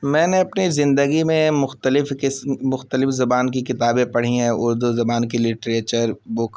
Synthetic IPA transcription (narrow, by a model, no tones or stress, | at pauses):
mɛ̃ːneɐpnizɪ̃nd̪əɡimẽmʊxt̪əlɪfkɪsmʊxt̪əlɪfzɐbaːnkikɪt̪aːbẽpɐɽ̤iɦɛ̃ʊɾd̪uzɐbaːnkilɪʈɾeːt͡ʃəɾbʊk